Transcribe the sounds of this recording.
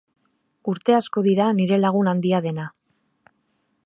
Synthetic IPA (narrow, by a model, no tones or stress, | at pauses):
uɾt̪e̞asko̞ðiɾaniɾe̞laɣ̞unand̪iaðe̞na